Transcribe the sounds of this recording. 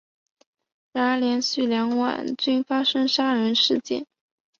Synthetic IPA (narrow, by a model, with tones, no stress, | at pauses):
ɻa˧˥nə˞˧˥ljɛ˧˥nɕy˥˩ljɑ˧˥ŋwa̰˨˩nt͡ɕy˥˩nfa˥ʂɤ˥ŋʂa˥ɻə˧˥nʂɻ̩˥˧t͡ɕjɛ̰˥˩n